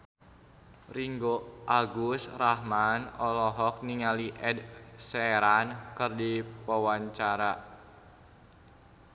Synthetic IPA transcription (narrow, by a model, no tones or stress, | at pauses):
riŋɡoʔaɡust̪rahmanɔlɔɦɔk̚niŋaliʔɛdsɛɾankərdipɔwaɲt͡ʃaɾa